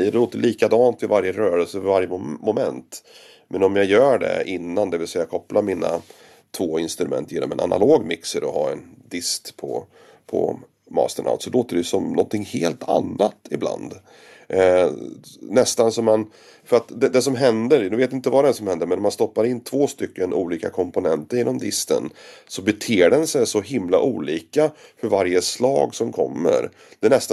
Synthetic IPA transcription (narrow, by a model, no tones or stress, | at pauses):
əɖɛloːt̪əlʔiːkad̪ɑːnt̪vɪvaɾjəɾœːɾəlsəvaɾjəmɔmɛ̰nt̪ | mʔɛnɔmjajœːɖɛ̰ɪnːand̪ɛvɪlsɛjːakʰɔplamina̰ | t̪ʰvoːɪnst̪ɾɵmɛ̰nt̪ʰːjeːnɔ̰mɛ̰na̰nʔa̰loːɡmɪksəɾɔɦɑ̰ːɛnd̪ɪst̪pʰɔ̰ | pʰɔ̰ | mɑ̰ːst̪əɳʔa̰ʊt̪sɔloːt̪əɖɛsɔmnɔ̰nt̪ʰɪŋheːlt̪ʰa̰nːat̪ɪbla̰nd̪ | nɛst̪ansɔmːan | fœɾat̪d̪ɛd̪ɛsɔmɦɛnd̪əɾnɵveːt̪ːɪnt̪əvaɾɛæsɔmhɛnd̪əɾmɛnɔmanst̪ɔpːaɾɪnːt̪ʰv̥oːst̪ʏkːənṵːliːkakʰɔmpʊnɛnt̪əɾjenɔmd̪ɪst̪ə̰nsɔbɛt̪ʰeːɖɛnsɛjsɔɦɪmla̰ʔuːliːkafœɾvaɾjəslɑ̰ːɡsɔmkʰɔmːə̰ɾ | d̪̥ɛɛɳɛst̪